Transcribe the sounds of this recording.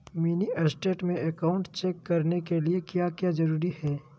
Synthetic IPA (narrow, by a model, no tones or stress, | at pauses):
miːniɐsʈeːʈmẽʔɛkaːʊ̃ɳʈt͡ʃeːkːɐɾnekeliekjaːkjaːzɐɾuːɾihɛː